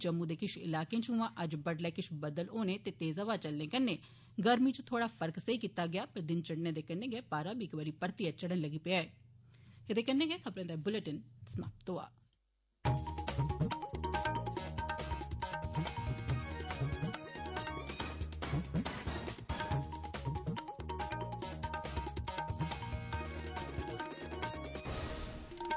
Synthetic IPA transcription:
d͡ʒəmːũːd̪eːkɪʃʰɪ̰laːkẽːt͡ʃũːãːʔəd͡ʒbəɖleːkɪʃʰbəd̪əloːneːt̪eːt̪eːzaːʋaːt͡ʃəlnẽːkənːeː | ɡəɾmiːt͡ʃõt̪ʰoːɽaːpʰəɾksəiːkiːt̪aːɡɪjaːpəɾd̪ɪnt͡ʃəɽneːd̪eːkɛnːẽːɡɛːpaːɾaːbiːkʋaːɾiːpəɾt̪iaːt͡ʃəɽənləɡiːpeaːeː | ed̪eːkɛnːẽːɡɛːkʰəbɾãːd̪aːbʊleʈənsəmaːp̚t̪oːa̰ː

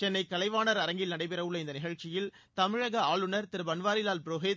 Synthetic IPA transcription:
t͡ʃɛnːɐɪkːɐlɐɪʋaːnɐɾɐɾɐŋɡɪlnɐɽɐɪpɪɾɐʋɯɭːɐɪnd̪ɐnɪɣɐɻt͡ʃːɪjɪl | t̪ɐmɪɻɐɣɐaːɭɯnɐɾt̪ɪɾɯbɐnʋaːɾɪlaːlpɪɾoːɦeːt̪

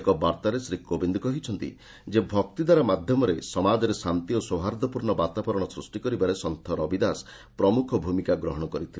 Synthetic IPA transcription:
kɔbaɾt̪aɾesɾikobind̪ɔkɔɦit͡ʃʰɔnt̪ḭ | d͡ʒebʱɔk̚t̪id̪ʱaɾamad̪ʱjɔmɔɾesɔmad͡ʒɔɾesant̪ioswoɦaɾd̪ɔpuɾɳɔbat̪abɔɾɔɽ̃ɔsɾusʈikɔɾibaɾesɔnt̪ʰɔɾɔbid̪as | pɾɔmukʰɔbʱumikaɡɾɔɦɔɽ̃ɔkɔɾit̪ʰile

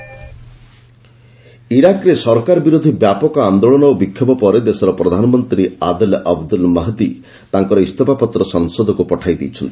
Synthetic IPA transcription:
iɾakɾesɔɾkaɾɔbiɾod̪ʱibjapɔkɔand̪oɭɔnɔwbikʰːjɔbɔpɔɾed̪esɔɾɔpɾɔd̪ʱanɔmɔnt̪ɾiad̪ɔlʔabd̪ulmaɦd̪i | t̪aŋkɔɾɔist̪ɔpapɔt̪ːɾɔsɔŋsod̪ʱɔkupɔʈʰajd̪ḭjt͡ʃʰɔnt̪i̥

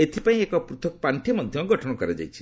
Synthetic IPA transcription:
et̪ʰipaĩekɔpɾut̪ʰɔkɔpaɳʈʰemɔd̪ʱjɔɡɔʈʰɔɽ̃ɔkɔɾed͡ʒa̰jt͡ʃʰi̥

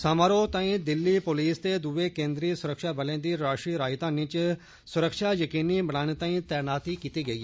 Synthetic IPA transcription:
saːmaːɾoːt̪ãːĩːd̪ɪlːiːpoːliːst̪eːd̪ʊʋeːkẽːnd̪ɾiːsʊɾəkʃaːbəlẽːd̪iːɾaːʃɾiːɾaːɪt̪ãːnɪ̃t͡ʃ | sʊɾəkʃaːjəkiːniːbəɽaːñeːt̪ãːĩːt̪ɛːnaːt̪iːkiːt̪iːɡəiː

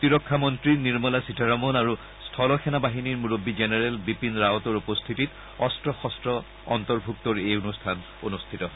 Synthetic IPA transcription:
t̪iɹɔkʰːamɔntɹiniɹmɔlasitʰaɹɔmɔnaɹu | stʰɔlɔxʰɛnabaɦiniɹmuɹobːizenɛɹɛlbipinɹaɔtɔɹupɔst̪ʰitit | ɔstɹɔxɔstɹɔ | ɔ̰nt̪ɔɹbʱuk̚t̪ɔɹejonustʰan | onust̪ʰitɔ

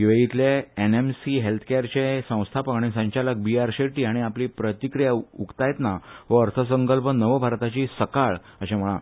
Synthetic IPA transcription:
ɡiʋeɡit̪leenemsiɦelt̪ʰə̥keɾt͡ɕesə̃w̃st̪ʰapəkaɽ̃isə̃ɲt͡ɕalək̚biaɾɕeʈiːaɽ̃iaplipɾət̪ikɾijaukt̪ajt̪naɦoəɾt̪ʰəs̬əŋkəlpənəʋəbʱaɾt̪at͡ɕiːsəkaɭ | əɕẽm̤əɭã̰

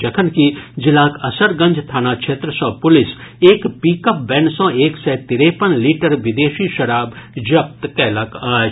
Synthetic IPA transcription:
d͡ʒɐkʰənkid͡ʒɪlaːkɐsəɾɡɐ̃ɲd͡ʒt̪ʰaːnakʃʰeːt̪ɾəsɔ̃ːpʊlɪseːkpiːkəp̚bɛnsɔ̃ːeːksɛt̪ɪɾeːpənliːʈəɾʋɪd̪eːʃiʃɐɾaːbd͡ʒɐp̚t̪kɛːlaka

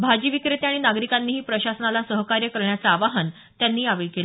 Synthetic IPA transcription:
bʱad͡ʑiʋikɾet̪eaɽ̃inaɡɾikanːiːɦiːpɾəɕasənalasəɦkaɾjəkəɾɳjat͡saːʋaɦən | t̪janːiːaʋeɭkel

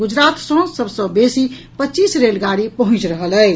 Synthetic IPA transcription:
ɡud͡ʒɾat̪sõsəbsə̃besi | pətːt͡ʃisɾelɡaɽipəɦʊ̃t͡ʃɾəɦələ

